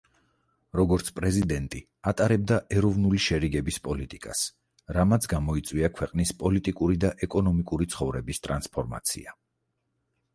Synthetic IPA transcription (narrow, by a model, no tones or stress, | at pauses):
ɾɔɡɔɾt̪sʰpʼɾɛzid̪ɛnt̪ʼi | at̪ʼaɾɛb̚d̪aʔɛɾɔvnuliʃɛɾiɡɛbispʼɔlit̪ʼikʼa̰s | ɾamat̪sʰɡamɔit̪sʼwiakʰwɛqʼnispʼɔlit̪ʼikʼuɾid̪aʔɛkʼɔnɔmikʼuɾit̪sʰχɔvɾɛbist̪ʼɾanspʰɔɾma̰t̪sʰḭa